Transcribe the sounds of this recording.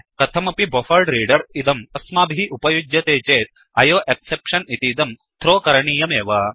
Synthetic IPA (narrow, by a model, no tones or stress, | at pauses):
kɐt̪ʰɐmɐpibofɐɾɖɾiːɖɐɾit̪ɐmɐsmaːbʱiʔupɐjud͡ʒjɐt̪eːt͡ʃeːt̪̚ | ɐjoːʔeksepʂɐnit̪iːd̪ɐm | t̪ʰɾoːkɐɾɐɳiːjɐmeːʋɐ